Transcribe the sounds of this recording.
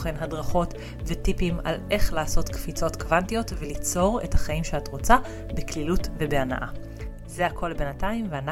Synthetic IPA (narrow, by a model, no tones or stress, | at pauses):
χenɦadʁaχo̞t | vetipima̰lʔe̞χlaːso̞tkfit͡so̞tkvantijo̞tvelit͡so̞ʁe̞̰thaχaimʃeatʁo̞t͡sa | beklilutvebeana̰ʔa | zeakʰo̞lbenataimveana